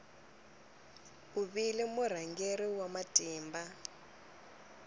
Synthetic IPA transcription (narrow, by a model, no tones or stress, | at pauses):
uβilimur̤aŋɡeɾiwamatʼiːmba